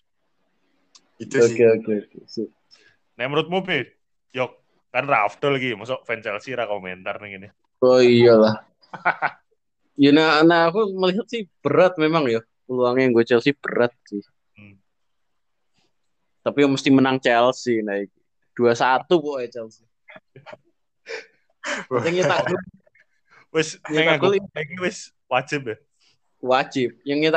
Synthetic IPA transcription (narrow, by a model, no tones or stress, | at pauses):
okeokeokesɪ | nɛməɾut̪̚mubɪh | jɔk̚ː | anrafd̪̥ɔlɡimasɔʔfɛnt͡ʃɛlsiɾakoment̪arnɛɡini | oijalah | jananaːkuməliɦat̪̚sɪhb̥əɾat̪̚memaŋja | kəluaŋɲaŋɡot͡ʃɛlsihb̥əɾat̪̚sɪh | t̪apijaŋməst̪imənaŋt͡ʃɛlsːɪhnaik̚ | d̥uasat̪upɔʔjat͡ʃɛlsɪ | aŋit̪aɡʊl | wɪsŋiaɡʊliakiwɪs | wad͡ʒɪp̚ɛ | wad͡ʒɪp̚jaŋːit̪